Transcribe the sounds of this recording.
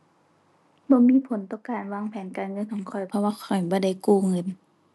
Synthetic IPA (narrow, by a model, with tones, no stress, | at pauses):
bɔː˧˦miː˧˨pʰo˨˦nt̪ɔː˧˦kaː˨nwaː˧˨ŋpʰɛː˨˦nkaː˨nŋɤ˧˨nkʰɔː˨˦ŋkʰɔ˨˩jpʰɔ˧waː˧kʰɔ˨˩jbɔː˧˦da˧˩˨jkuː˧˩ŋɤ˧˨n